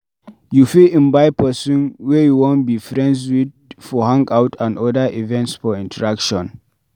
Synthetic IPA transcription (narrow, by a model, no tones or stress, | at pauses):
jufilĩmbajpəsũnwɛjuwɔ̃nbifɹɛ̃ndzwid̚ | fɔhãŋkawtʰãndɔdaʔivɛ̃ntsfɔĩntəɹakʃɔ̃n